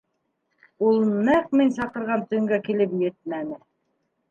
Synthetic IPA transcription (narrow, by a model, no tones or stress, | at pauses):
ulˠnæq̚minsɑqɤ̆ɾʁɑnt̪ɵ̆ɘ̆ŋɡækilɘp̬jɘt̪̚mænɘ